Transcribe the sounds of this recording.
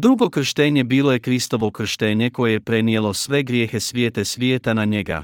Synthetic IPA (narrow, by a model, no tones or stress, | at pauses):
d̪ɾuɡo̞kr̩ʃt̪eɲebiːlˠo̞je̞kɾist̪o̞ʋo̞kr̩ʃt̪eɲe̞ko̞jejepɾe̞nije̞lo̞sʋe̞ɡɾjeːxesʋjeːt̪esʋjeːt̪anaɲe̞ɡa̰